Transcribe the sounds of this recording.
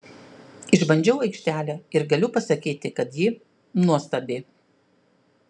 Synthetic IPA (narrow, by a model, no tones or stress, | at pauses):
ɪʒbɐnʲd͡ʒʲɛʊɐɪkʃʲt̪ʲæːlʲæːɪɾɡɐlʲʊpɐsɐkʲiːt̪ʲɪkɐt̪ji | nuɔst̪ɐbʲeː